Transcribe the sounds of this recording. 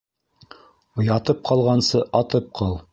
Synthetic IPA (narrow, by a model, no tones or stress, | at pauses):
ojɑt̪ɤp̚qʰɑlˠʁɑnsɤʔɑt̪ɤp̚qʰɤlˠ